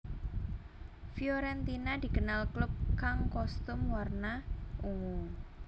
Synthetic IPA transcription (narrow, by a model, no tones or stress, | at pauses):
fjɔɾɛnt̪inad̪̥i̤kənalklʊb̚kaŋkɔst̪ʊmwarnauŋu